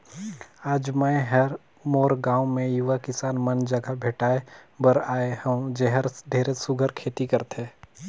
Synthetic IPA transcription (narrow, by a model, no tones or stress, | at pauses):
aːd͡ʒməɦəɾ | moːɾɡãːwmẽjʊʋakɪsaːnmənd͡ʒəɡʱabʱeːʈaːebəɾaːehɐ̃d͡ʒɛɦəɾd̪ʱeːɾesʊɡʱəɾkʰeːt̪ikəɾt̪eː